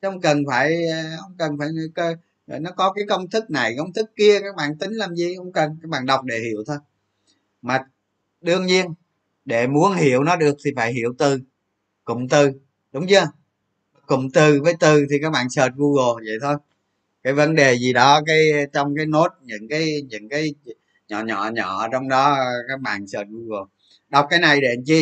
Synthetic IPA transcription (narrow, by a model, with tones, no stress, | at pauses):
hə˧wŋ͡mkə˨˩nfaː˧˩jhə˧wŋ͡mkə˨˩nfaː˧˩jkə˧˨˩ | nɔ˨˦kɔ˨˦kaː˨˦jkə˧wŋ͡mt̪ʰɨ˦˥k̚na˨˩jkə˧wŋ͡mt̪ʰɨ˦˥kːi˧əkaː˦˥k̚ɓa̰ː˧˨nt̪ï˨˦ŋ̟laː˨˩mzi˨˩hə˧wŋ͡mkə˨˩nkaː˦˥k̚ɓa̰ː˧˨nɗa˨˩wk͡p̚ɗe˧˩hḭ˧˩˨əwt̪ʰo˧j | maː˨˩ | ɗɨ˧əŋɲi˧ən | ɗe˧˩mu˨˦ənhi˧˩˨əwnɔ˨˦ɗɨ˨˩ək̚t̪ʰi˨˩faː˧˩jɦi˧˩əwt̪ɨ˨˩ | kʊ̰˧˨ŋ͡mt̪ɨ˨˩ | ɗʊ˨˦wŋ͡mɲɨ˧ə˨˩ | kʊ̰˧˨ŋ͡mt̪ɨ˨˩vəː˨˦jt̪ɨ˨˩t̪ʰi˨˩kaː˦˥k̚ɓa̰ː˧˨nsəː˨˩t̚ɣu˧ɣo˨˩və̰˧˨jt̪ʰo˧j | kaː˨˦jvə˨˦nɗe˨˩zi˨˩ɗɔ˨˦kaː˨˦jt͡ɕɔ˧wŋ͡mkaː˨˦jno˦˥t̚ɲɨ̰˧˥ŋkaː˨˦jɲɨ̰˧˥ŋkaː˨˦j | ɲɔ̰˧˨ɲɔ̰˧˨ɲɔ˧˨t͡ɕɔ˧wŋ͡mɗɔ˨˦kaː˦˥k̚ɓa̰ː˧˨nsəː˨˩t̚ɣu˧ɣo˨˩ | ɗa˨˩wk͡p̚kːaː˨˦jna˨˩jɗe˧˩˨nt͡ɕi˧